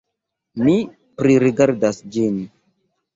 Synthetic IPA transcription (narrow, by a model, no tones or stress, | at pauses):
mi | pɾiɾiɡaɾdasd͡ʒin